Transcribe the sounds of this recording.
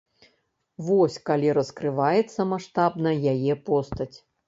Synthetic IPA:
vɔsʲkalʲiɾɐskɾɨvajɛt̪sːɐmaʂt̪abnɐjajɛpɔst̪ɐt͡sʲ

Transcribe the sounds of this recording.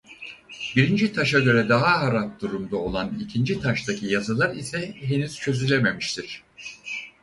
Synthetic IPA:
biɾind͡ʒit̪ʰaʃaɟø̞ɾɛd̪aɦaɦaɾap̚d̪uɾumd̪ao̞lˠanicʰind͡ʒit̪ʰaʃt̪ʰacʰijazalˠaɾisɛɦe̞nyz̥t͡ʃʰø̞zylʲɛme̞miʃt̪ʰiɾ̥

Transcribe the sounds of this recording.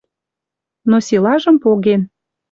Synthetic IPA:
nosilɑʒə̆mpoɣen

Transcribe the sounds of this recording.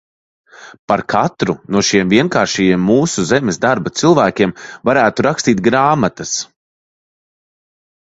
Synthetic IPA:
paɾkʰat̪ɾunuɔʃiɛmviɛnkaːɾʃijiɛmːuːsuzɛmesd̪aɾbat̪silˠvæːkʲiɛmvaɾæːt̪uɾakst̪iːt̪̚ɡɾaːmat̪ɐs

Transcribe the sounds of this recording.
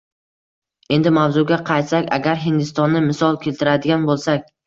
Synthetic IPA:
e̞nd̪ɪmawzʊɡʲaqʰɑjt̪sakʲa̰ɡʲaɾɦɪnd̪ɪst̪ɒnːɪmɪsɒlˠkʲʰe̞lt̪ʰɪɾad̪ɪɡʲanbolˠsakʲ

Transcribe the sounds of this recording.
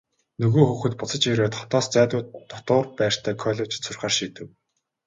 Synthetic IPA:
nɵɣoːxuːxɘ̆t̪̚pʊt͡sə̆t͡ɕjeɾoːt̪χɔ̥t̪ɔːst͡sæːt̪ʊːt̪ɔt̪ʊːrpæːr̥t̪ʰæːkʰɔɮʲet͡ɕsʊrʲχaːrʃiːt̪ɘ̆kw

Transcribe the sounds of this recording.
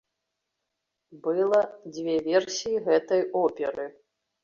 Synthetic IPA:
bɨlˠɐd͡zʲvʲɛvʲɛrsʲijiɣɛt̪ɐjɔpʲɛɾɨ

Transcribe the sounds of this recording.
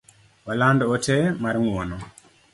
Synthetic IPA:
walandɔɔtɛmaɾiŋuwɔnɔ

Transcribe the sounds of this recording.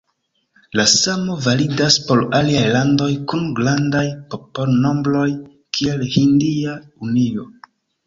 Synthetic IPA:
lasamo̞validaspo̞laliajlando̞jkunɡlandajpo̞po̞lno̞mbɾo̞j | kʰielhindiaunio̞

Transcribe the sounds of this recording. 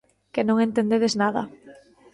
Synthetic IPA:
kenõŋent̪end̪eðeznaðɐ̰

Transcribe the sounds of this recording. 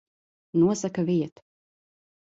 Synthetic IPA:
nuɔsakaviɛt̪

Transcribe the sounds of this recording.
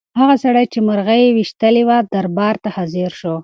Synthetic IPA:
haɣasaɽajt͡ʃemaɾɣajewiʃt̪əlewad̪aɾbɑɾt̪ahaziɾʃo

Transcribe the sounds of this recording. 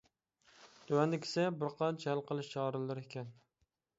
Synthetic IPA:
t̪ʰʊwanɪkʲʰɪ̥sabɪɾqʰɑd͡ʒælˠqɨlˠɪʃt͡ʃʰɑɾɨlˠɪɾekʲʰan

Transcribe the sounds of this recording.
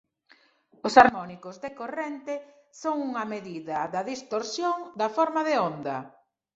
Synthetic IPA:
ʊsaɾmɔnikʊzðekorent̪e | soŋuŋɐmeðiðɐðɐðist̪oɾsjoŋd̪ɐfɔɾmɐðeond̪ɐ

